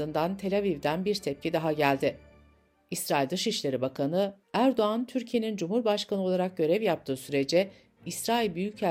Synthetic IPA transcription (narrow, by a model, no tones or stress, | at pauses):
ɯnd̪ant̪ʰe̞lʲavivd̪ænbiɾt̪ʰɛp̚cʰid̪aɦaɟælʲd̪ɪ | isɾaːilʲd̪ɯʃiʃlʲe̞ɾibakʰanɯ | æɾd̪o̞ant̪ʰyɾcʰije̞nind͡ʒumhuɾbaʃkanɯolˠaɾak̚ɟø̞ɾɛvjap̚t̪ʰɯːsyɾe̞d͡ʒɛ | isɾaːilʲbyjycʰæ